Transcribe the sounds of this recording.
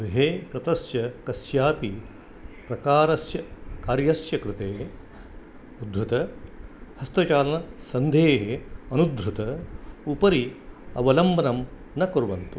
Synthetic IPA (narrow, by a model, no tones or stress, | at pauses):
ɦeːkɾɐt̪ɐsjɐkɐsjaːpi | pɾɐkaːɾɐsjɐkaːɾjɐsjɐkɾɪt̪eːɦe | ud̪ɾut̪ɐ | hɐst̪ɐt͡ʃaːlɐnɐsɐnd̪ʱeːɦeɐnud̪ɾut̪ɐupɐɾiɐ̰ʋɐlɐmbʱɐnɐm | nɐkɐɾuʋɐnt̪u